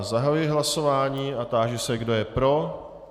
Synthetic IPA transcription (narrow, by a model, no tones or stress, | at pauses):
zaɦajujjɪɦlaso̞vaːɲiːat̪aːʒɛsɛɡdo̞jɛpɾo̞